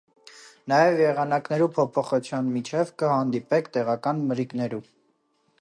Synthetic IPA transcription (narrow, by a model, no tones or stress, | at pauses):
nɑjɛvjɛʁɑnɑknɛɾupʰɔpʰɔχut͡sʰjɑnmit͡ʃʰɛvkəhɑnd̪ipɛkʰt̪ɛʁɑkɑnməɾiknɛɾu